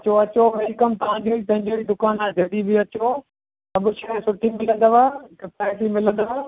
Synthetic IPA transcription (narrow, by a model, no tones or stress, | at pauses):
t͡ɕoɐt͡ɕoʋelkɐmt̪ɐʋ̤ãd͡ʑoɾit̪ɐ̃ɦɪ̃d͡ʑiɽid̪ʊkaːnaːd͡ʑɐɗibiɐt͡ɕo | sɐbʊʃɐɽesʊʈʰimɪlə̃nd̪əʋakɐpaːsimɪlə̃nd̪əʋa